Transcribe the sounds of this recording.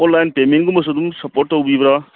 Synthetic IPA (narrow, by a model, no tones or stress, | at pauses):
onlajnpemenɡumɐsod̪umsɐpoʈːobibɾa